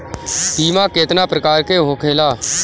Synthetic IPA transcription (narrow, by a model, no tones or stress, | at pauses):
siːmãːkeːt̪naːpɾəkaːɾkeːɦoːkʰeːlaː